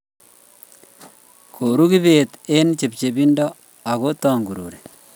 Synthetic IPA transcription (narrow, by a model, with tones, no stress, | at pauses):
kʰo˨ɾu˦ki˦βe˨t̪e˦nt͡ʃe˨p̚t͡ʃe˨bi˦ndɔ˦ | a˨ko˦tɔː˨ŋɡu˨ɾṵː˨ɾe˨